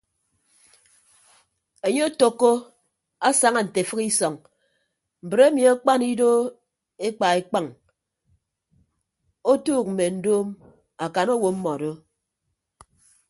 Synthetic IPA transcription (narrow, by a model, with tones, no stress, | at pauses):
e˨ɲe˦o˦to˦kːo˦ | a˦sa˨ŋa˦˨n̩˨te˨fɨ˦ki˦sɔ˨ŋ | m̩˨bɾe˦mi˨a˦k͡pa˦ni˦do˦ | e˦k͡pa˨e˨k͡pa˦˨ŋ | o˦tuː˦˨k̚m̩˨me˨n̩˦doː˦m | a˨ka˨no˦wo˨m̩˦mɔ˨do˦